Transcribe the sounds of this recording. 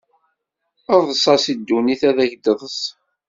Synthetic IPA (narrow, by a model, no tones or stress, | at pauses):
əɾˤðəsˤɑsid̪ːuniθæðæçd̪əðˤəs